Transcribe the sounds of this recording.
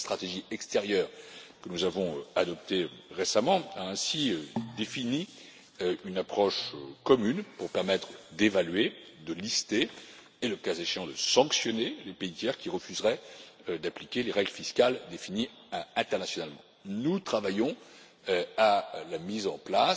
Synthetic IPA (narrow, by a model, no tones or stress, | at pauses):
st̪χat̪eʒiɛkst̪eʁjœːʁkənuzavɔ̃øad̪ɔp̚t̪eøʁesamɑ̃aɛ̃siød̪efini | øynapχɔʃkɔmynpuʁpɛʁmɛt̪χd̪evalɥed̪əlist̪e | eləkazeʃeɑ̃d̪əsɑ̃ksjɔnelepeit̪jɛʁkʲiʁəfyzʁɛd̪aplikʲeleʁɛɡləfiskʲald̪efini | ɛ̃t̪ɛʁnasjɔnalmɑ̰̃ | nut̪χavajɔ̃ | øalamizɑ̃pla